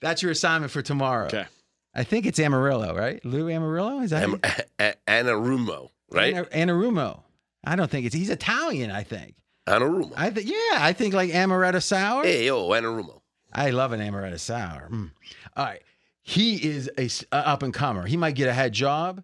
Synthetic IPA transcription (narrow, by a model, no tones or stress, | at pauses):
ðætsjə˞ɨsãɪ̃nmɨ̃ntfə˞tʰəmɑɹo̰ʊ | ʔaɪθɪ̃ŋk̬ɨtsæ̃mə˞ɪlˠo̰ʊɹaɪt̚lʉæmə˞ɪlˠoʊɨza | ænəɹumo̰ʊ | ɹa̰ɪnɨʔæ̃ñəɹʉmoʊ | ʔaɪɾõʊ̃nθɪ̃ŋkɨtshizɨtʰælˠjɨ̃na̰ɪθɪ̰̃ŋk | ʔã̰nəɹumo̰aɪθɪ̃jæaɪθɪ̃ŋklaɪkæmə˞ɛɾɨsaʊə˞eoænəɹumo̰ʊ | ʔa̰ɪlʌvɨ̃næmə˞ɛ̰ɾɨ̰saʊə̰˞m̩ʔɑɹaɪt̚ | hiɪzɨsəʌpɨ̃nkʰʌmə̰˞imaɪt̚ɡ̥ɛɾɨɦɛd̚d͡ʒɑb̥